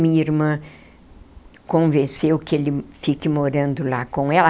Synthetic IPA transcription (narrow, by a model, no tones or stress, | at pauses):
mĩiɾmɐ̃ | kõvẽsewkɪelɪfikɪmoɾɐ̃nd̪ʊlakõw̃ɛlɐ